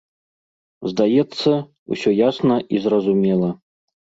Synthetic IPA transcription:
zd̪ajɛt̪sːɐ | ṵsʲojasnɐʔizrɐzumʲelˠə

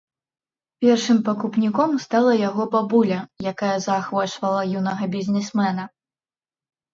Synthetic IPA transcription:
pʲɛrʂɨmpɐkupnʲikɔmst̪alˠɐjaɣɔbabulʲɐjakajɐzaxvɔt͡ʂvɐlˠɐjunɐɣɐbʲizʲnʲɛsmɛnɐ

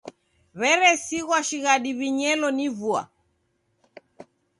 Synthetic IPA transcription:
βɛɾɛsiɣwaʃiɣaɗiβiɲɛlɔnivua̰

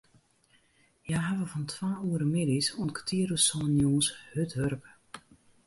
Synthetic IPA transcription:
jaɦaʋəvɔntʰwaːuəɾəmɪdisɔnkə̥tʰiəɾusɔnjuːshøtɦørpə

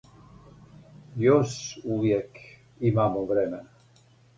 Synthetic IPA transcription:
joʃuʋjek | imaːmoʋɾemena

